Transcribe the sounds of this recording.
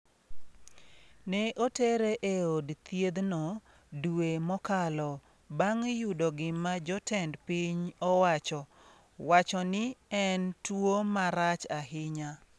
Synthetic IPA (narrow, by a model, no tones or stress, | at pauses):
nɛʔoteɾeʔeodt̪jed̪nɔ | duemɔkalɔ | baŋjudɔɡɪmad͡ʒɔtʰɛndpiɲɔwat͡ʃɔ | wat͡ʃɔnɪɛntwomaɾat͡ʃaɦɪɲa